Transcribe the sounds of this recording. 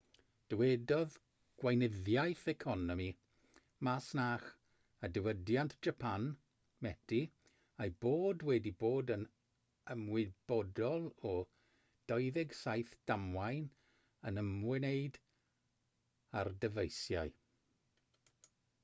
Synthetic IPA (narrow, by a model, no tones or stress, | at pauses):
d̥əwɛdɔð | ɡ̥wajnɪðjajθɛkʰɔnɔmi | masnaːχ | adəwədjantʰd͡ʒ̥apʰan | mɛdʰi | ajboːdwɛdiboːdən | əmwɪb̥ɔdɔlˠɔ | d̥ɔɨðɛɡsajθd̥amwajn | ənəmwɛneɨd | ardəvejsjaɨ